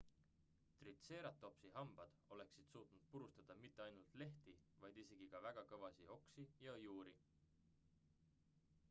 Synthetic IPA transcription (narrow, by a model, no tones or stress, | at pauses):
t̪rit̪se̞ːɾɑt̪ːˑo̞psiɦɑmb̥ɑd̪̥o̞le̞ksid̪̥suːt̪ˑnud̪̥̚puɾust̪ɑd̪̥ɑmit̪ːe̞ɑjnult̪ˑle̞ht̪ivɑjd̪ise̞ɡ̥ikɑvæɡ̥ɑkɤvɑsio̞ksijɑjuːɾi